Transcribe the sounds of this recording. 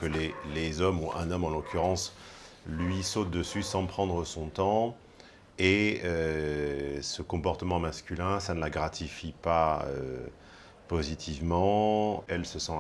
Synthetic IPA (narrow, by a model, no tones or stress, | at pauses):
kəlelezɔmuʔɛ̃nɔmɑ̃lɔkʲyʁɑ̃s | lɥisot̪̚d̪əsysɑ̃pχɑ̃d̪ʁəsɔ̃t̪ɑ̃ | eø | səkɔ̃pɔʁt̪əmɑ̃maskʲylɛ̃sanəlaɡʁat̪ʰifipaø̰ | pozit̪ʰivmɑ̃ɛlsəsɑ̃